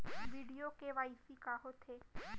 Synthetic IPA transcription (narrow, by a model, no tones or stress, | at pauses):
ʋiɖijokeʋajfikaɦot̪ʰe